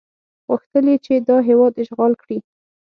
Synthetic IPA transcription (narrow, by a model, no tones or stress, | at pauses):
ɣəxt̪əlet͡ʃed̪ɑɦewɑd̪ɪʃɣɑlkɽi